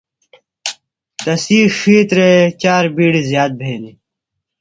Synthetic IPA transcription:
d̪ɐsiːʂiːt̪ɾet͡ɕaːɾbiːɽizjaːt̪̚bʱeːli

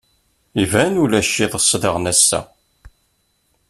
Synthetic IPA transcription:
ivænulæʃːiðˤəsˤːdəʁnæsːæ̰

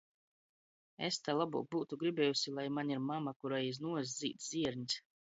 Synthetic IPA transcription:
est̪alˠabṵːk̚buːt̪uɡɾibʲɛːjusilˠajmaɲʲiɾmamakuɾajiznuɔz̬ʲd̪zʲḭːt̪ziɛɾɲʲs

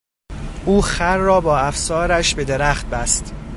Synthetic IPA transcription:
ʔuːxæɾːɒːbɒːæfsɒːɾæʃbe̞d̪e̞ɾæχt̪̚bæst̪

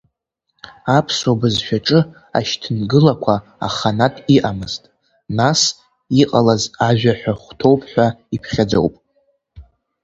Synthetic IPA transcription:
apʰswabɨzʃʷᶣaʈ͡ʂʼɨ | a̰ʃtʰɨnɡɨlakʷʰa | a̰χanatʰiʔamɨztʼ | nas | iqʼalazaʒᶣaħʷᶣaχʷtʰo̞wpʰʼħʷᶣaipʰχʲad͡zo̰wpʼ

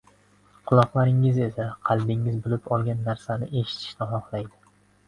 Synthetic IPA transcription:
qʰʊlˠɒqlˠaɾɪŋɪze̞saqʰɑlˠd̪ɪŋɪzbʊlɪpɒlˠɡʲanːaɾsanɪʔe̞ʃɪ̥t̪ʰɪ̥ʃnɪɦɒχlˠajd̪ɪ

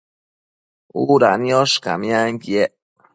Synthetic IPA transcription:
uɾanioʃka̰miaŋkieʔ

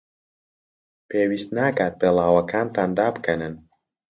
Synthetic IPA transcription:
pʰeːwiːst̪naːkaːt̪̚beːlˠaːwɐkʰaːnt̪aːnd̪aːbɨkʰɐnɨn

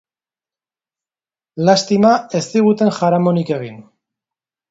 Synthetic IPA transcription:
last̪imae̞st̪iɣ̞ut̪e̞ŋʝaɾamo̞nike̞ɣin

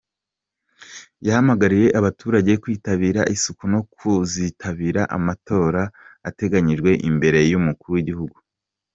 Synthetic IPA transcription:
jahamaɡaɾije̞ʔaβatuːɾaɟe̞kwiːtaβiːɾaʔisukuno̞kʰuzitʰaβiːɾaʔa̰mato̞ːɾaːte̞ɡaɲiʒɡwe̞ʔimbe̞ɾe̞jumukuɾuwiɟihuɡu

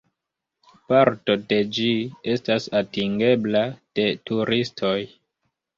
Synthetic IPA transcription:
paɾto̞de̞d͡ʒie̞stasatiŋɡe̞blad̥e̞tuɾʔistʰo̞j

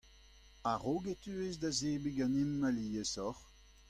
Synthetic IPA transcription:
aʁoɡetyezdazeːbeɡãnimːaliːəsɔʁ

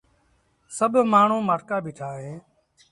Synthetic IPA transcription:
səbʱmaːɳ̤ũːmaːʈkaːbʱɪːʈʰaːɦeː

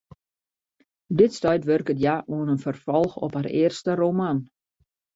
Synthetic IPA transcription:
dɪtstœɥtʋørkətjaʔuənənfərfɔlˠxɔ̰pharḛərstəroman

